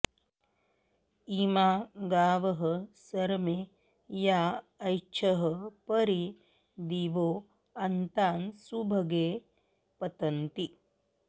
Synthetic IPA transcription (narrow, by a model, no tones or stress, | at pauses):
iːmaːɡaːʋɐɦɐsɐɾmeː | jaːɐjt͡ʃʰɐɦəpɐɾi | d̪iːʋoː | ɐnt̪aːnsubʱɐɡeː | pɐt̪ɐnt̪i